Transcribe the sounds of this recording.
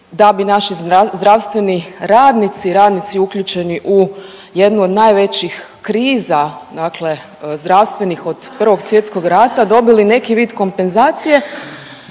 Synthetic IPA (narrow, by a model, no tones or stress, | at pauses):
d̪abinaʃiazd̪ɾaʋst̪ʋe̞niɾaːd̪nit̪siɾaːd̪nit̪siukʎut͡ɕe̞niʔu | je̞d̪nuo̞d̪najʋe̞t͡ɕix | kɾiːzad̪aːkle̞ | zd̪ɾaʋst̪ʋe̞nixo̞d̪̥pr̩ʋo̞ɡsʋje̞t̪sko̞ɡɾat̪ad̪o̞biline̞kiʋiːd̪ko̞mpe̞nzaːt̪sije̞